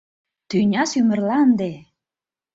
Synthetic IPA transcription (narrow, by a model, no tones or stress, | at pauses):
t̪ynʲɑsymə̆rlɑnd̪e